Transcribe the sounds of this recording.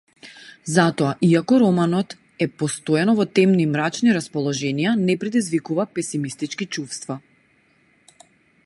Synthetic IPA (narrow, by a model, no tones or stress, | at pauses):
zat̪ɔaʔiakɔɾɔmanɔt̪ | ɛpɔst̪oɔjanɔvɔt̪ɛmnimɾat͡ʃniɾaspɔlˠɔʒɛnijanɛpɾɛd̪izvikuvapɛsimist̪it͡ʃkit͡ʃufst̪va